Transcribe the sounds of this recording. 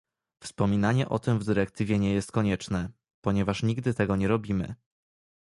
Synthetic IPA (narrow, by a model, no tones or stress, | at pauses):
fspɔmʲinaɲɛʔɔ̰t̪ɘmvd̪ɘɾɛk̚t̪ɘvʲjɛɲɛjɛst̪̚kɔɲɛt͡ʂnɛ | pɔɲɛvaʂɲiɡd̪ɘt̪ɛɡɔɲɛɾɔbʲimɘ̰